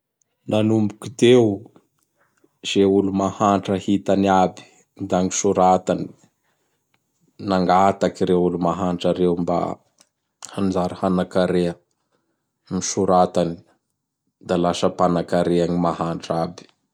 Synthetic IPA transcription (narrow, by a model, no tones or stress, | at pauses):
nanumbukid̪ew | z̥eulumahaɳʈ͡ʂəhit̪anabi̥ | d̪aŋisuɾat̪ani̥ | naŋɡat̪akiɾeulumaɦaɳʈ͡ʂaɾewmba̰ | hand͡ʒaɾahanakaɾeə | miʃuɾat̪ani̥ | d̪alasəpanakaɾeaŋimaɦaɳʈ͡ʂabi̥